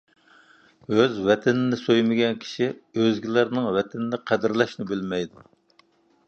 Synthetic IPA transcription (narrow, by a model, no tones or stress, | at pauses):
øzvɛt̪ʰɪnɪnɪsojmɪɡʲɛnkʲʰi̥ʃiøzɡʲilæɾnɪŋvɛt̪ʰɪnɪd̪ɛqʰæd̪ɪɾlɛʃnɪbɪlmɛjd̪u